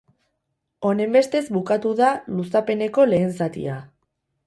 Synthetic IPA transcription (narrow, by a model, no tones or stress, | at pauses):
o̞ne̞mbe̞st̪e̞zbukat̪uðalusape̞ne̞ko̞le̞ːnsat̪ḭa